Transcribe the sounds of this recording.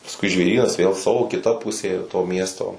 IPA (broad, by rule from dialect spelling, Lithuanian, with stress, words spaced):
pɐsˈkʊɪ ʒʲʋʲeːˈrʲiːnɐs ˈʋʲeːlˠ ˈsɑːʋoː kʲɪˈtɐ ˈpʊsʲeː toː ˈmʲiɛstoː